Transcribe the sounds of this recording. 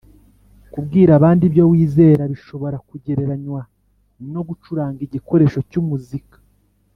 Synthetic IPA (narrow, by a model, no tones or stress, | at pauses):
kubɡiːɾaβaːndiβjo̞wiːze̞ːɾaβiʃo̞βo̞ɾakuɟe̞ɾe̞ɾaɲwa | no̞ɡut͡ʃuɾaːŋɡiɟiko̞ɾe̞ːʃo̞cumuzikḁ